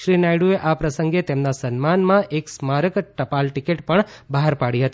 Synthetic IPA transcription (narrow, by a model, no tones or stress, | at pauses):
ʃɾinajɽueʔapɾəsəŋɡet̪emnasənmanmãʔeksmaɾəkʈəpalʈikeʈpəɳbaɦaɾpaɽiɦət̪i